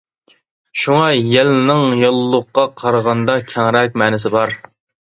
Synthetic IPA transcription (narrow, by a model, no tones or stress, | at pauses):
ʃuŋɑjɛlnɪŋjolˠːʊqːɑqʰɑɾʁɑnd̪ɑkʲʰɛŋɾɛk̚ʲmɛːnɪsɪbɑɾ